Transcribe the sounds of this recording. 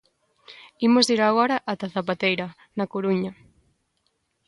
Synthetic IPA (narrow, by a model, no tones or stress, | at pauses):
imʊziɾaɣɔɾɐʔːt̪aθapat̪ejɾɐ | nɐkoɾuɲɐ